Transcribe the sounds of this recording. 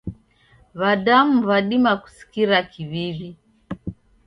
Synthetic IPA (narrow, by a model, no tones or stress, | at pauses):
βadam̩βaɗimaku̥si̥kiɾakiβiβi